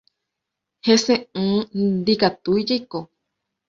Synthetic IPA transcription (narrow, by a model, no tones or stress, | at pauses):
hesẽɨ̃ːd̪ikat̪uid͡ʒejko